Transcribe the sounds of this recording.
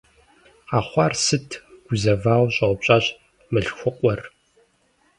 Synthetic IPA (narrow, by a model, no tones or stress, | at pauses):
aːχʷɑrsɨtʰɡ̥ʷʊzɐvaːwɕʼɐwʷpɕʼaɕ | mɨɬxʷʊqʷʼɔr